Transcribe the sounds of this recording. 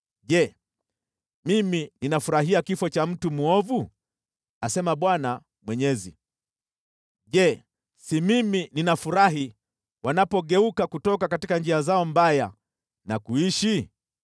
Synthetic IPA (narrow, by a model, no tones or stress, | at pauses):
ʄɛ | mimininafuɾaɦiakifɔt͡ʃam̩tumuɔvu | asɛmaɓwana | mwɛɲɛzḭ | ʄɛ | simimininafuɾaɦi | wanapɔɠɛukakutɔkakatikand͡ʒiazaɔmbaja | nakuiʃi